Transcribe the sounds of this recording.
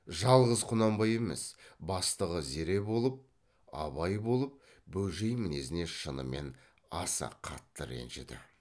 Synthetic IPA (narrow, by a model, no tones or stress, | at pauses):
ʒɑlˠʁəzqʰʊnɑmbɑje̞me̞̰sbɑst̪əʁəze̞ɾe̞bo̞lˠəp̚ | ɑ̰βɑjbo̞lˠəp̚ | bɵlʒejmɪne̞sɪne̞ʃənə̰me̞̰n | ɑsɑ̰qʰɑ̰t̪ːəɾḛnʒḛd̪ɪ̰